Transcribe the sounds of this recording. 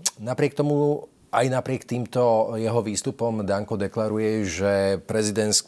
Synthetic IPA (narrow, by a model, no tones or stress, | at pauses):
napɾɪɛk̚t̪ɔmu | ʔajnapɾɪɛkt̪iːmt̪ɔjɛɦɔʋiːst̪upɔmd̪aŋkɔd̪ɛklaɾujɛʒɛpɾɛzid̪ɛns